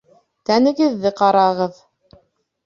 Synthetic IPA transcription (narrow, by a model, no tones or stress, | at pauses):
t̪ænɘ̆ɡɘ̆ðːɘqɑɾɑʁɤð